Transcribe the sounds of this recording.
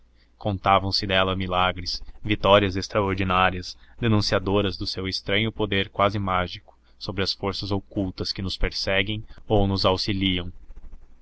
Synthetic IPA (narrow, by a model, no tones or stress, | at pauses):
kõnt̪avɐ̃w̃sɪd̪ɛlɐmilaɡɾɪsvit̪ɔɾiɐzest̪ɾaoɾd͡ʒinaɾiɐsd̪enũsiad̪oɾɐzd̪ʊsewest̪ɾɐ̃ɲʊpod̪eɾkwazɪmaʒikʊ̥ | sobɾɪɐsfoɾsɐzokuwt̪ɐskɪnʊspeɾsɛɡẽj̃ownʊzawsiliɐ̃w̃